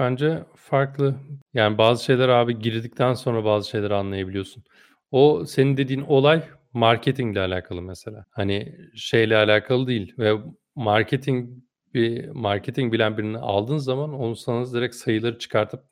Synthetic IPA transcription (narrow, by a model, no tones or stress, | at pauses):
b̥ænd͡ʒɛ | faɾklˠɯjaːnibaːzɯʃe̞jlʲæɾaːbiɟiɾd̪ic̚t̪ʰænso̞nɾabaːzɯʃe̞jlʲæɾianlˠajabilʲijo̞sun | ose̞nind̪e̞d̪iːno̞lˠaj | maɾcʰet̪ʰiŋɟlʲɛalʲaːkʰalˠɯmɛselʲaːhaniʃe̞jlʲɛalʲaːkʰalˠɯd̪ijilʲvɛ | maɾcʰet̪ʰiŋ | bimaɾcʰet̪ʰiŋbilʲænbiɾiniʔa̰lˠd̪ɯːnzamano̞nusanɯzd̪eɾɛcsajɯlˠaɾɯt͡ʃʰɯ̥kʰaɾt̪ʰɯp̚